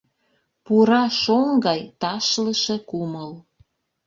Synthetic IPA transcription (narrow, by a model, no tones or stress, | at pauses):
puɾɑʃoŋɡɑjt̪ɑʃləʃĕkuməl